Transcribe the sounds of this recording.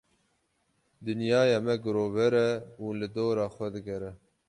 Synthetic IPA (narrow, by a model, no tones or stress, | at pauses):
d̪ɨnjɑːjɑːmɛɡɨɾoːvɛɾɛuːlɨd̪oːɾɑːxʷɛd̪ɨɡɛɾɛ